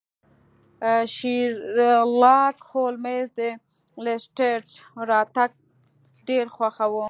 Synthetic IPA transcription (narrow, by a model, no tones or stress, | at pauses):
ʃi | lɑkholmezd̪ə | lesʈeʈɾɑt̪aɡ̚ | ɖeɾxwaxawu